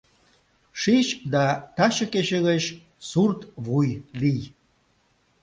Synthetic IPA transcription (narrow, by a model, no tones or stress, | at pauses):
ʃiʃd̪ɑt̪ɑʃəkeʃeɣət͡ɕ | surt̪βujlij